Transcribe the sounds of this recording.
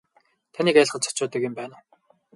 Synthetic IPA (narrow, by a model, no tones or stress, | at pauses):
t̪ʰaniːkaj̆ɮχə̆nt͡sʰɔ̥t͡ɕʊːt̪ə̆kjʊmpæːnaː